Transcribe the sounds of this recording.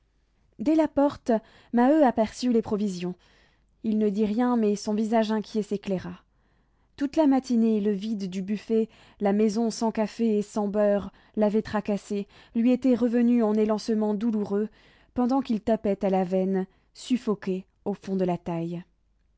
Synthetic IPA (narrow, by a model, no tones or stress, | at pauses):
d̪ɛlapɔʁt̪ | maøapɛʁsylepχɔvizjɔ̃ | ilnəd̪iʁjɛ̃mɛsɔ̃vizaʒɛ̃kʲjeseklɛʁa | t̪ut̪lamat̪ineləvid̪ːybyfɛ | lamɛzɔ̃sɑ̃kafeesɑ̃bœʁ | lavɛt̪χakase | lɥiet̪ɛʁəvənyɑ̃nelɑ̃səmɑ̃d̪uluʁø | pɑ̃d̪ɑ̃kilt̪apɛt̪alavɛn | syfɔkʲe | ofɔ̃d̪əlat̪aj